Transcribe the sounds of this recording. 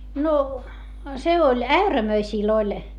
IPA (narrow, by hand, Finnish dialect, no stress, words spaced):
no se olʲ æyræmøisiˑl olʲ